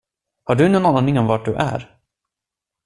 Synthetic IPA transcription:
haɖɵnɔnɔnanɪŋɔmvaʈ̚ɖɵʔæ̰ɾ

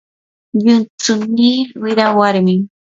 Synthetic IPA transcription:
ʎʊnt͡sʊniːwɪɾawaɾmɪŋ

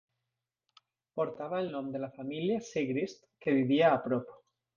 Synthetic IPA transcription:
poɾt̪aβ̞aelnõmd̪elafamiljaseɣɾist̪keβ̞iβiaːpɾopo̥

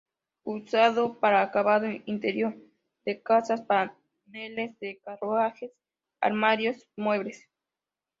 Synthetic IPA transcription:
usaðopaɾaːkaβaðoint̪eɾjoɾ | d̪ekasaspa | nelesd̪ekarwaxes | a̰ɾmaɾjosmweβɾes

